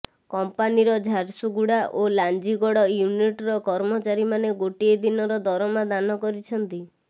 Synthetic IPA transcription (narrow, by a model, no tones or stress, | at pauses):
kɔmpaniɾɔd͡ʒʱaɾsuɡuɽaʔoland͡ʒiɡɔɽɔjuniʈɾɔkɔɾmɔt͡ʃaɾimaneɡoʈied̪inɔɾɔd̪ɔɾɔmad̪anɔkɔɾit͡ʃʰɔnt̪i